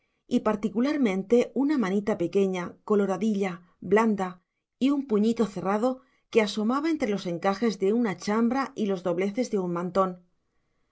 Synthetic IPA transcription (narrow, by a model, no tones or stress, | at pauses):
ipaɾt̪ikulaɾmẽ̞nt̪e̞unamanit̪ape̞ke̞ɲako̞lo̞ɾaðiʎa | bland̪a | iumpuɲit̪o̞θe̞rað̞o̞ | ke̞aso̞maβae̞nt̪ɾe̞lo̞se̞ŋkaxe̞zðe̞unat͡ʃambɾaʔilo̞zðo̞βle̞θe̞zðe̞ummãnt̪o̞n